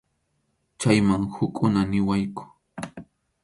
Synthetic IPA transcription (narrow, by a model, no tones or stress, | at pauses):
t͡ʃajmaŋhʊkʼʊnanɪwajkʊ̥